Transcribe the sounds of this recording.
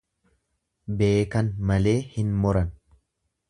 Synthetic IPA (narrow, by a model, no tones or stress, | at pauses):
be̞ːkɐnmɐle̞ːhɪnmɔɾɐn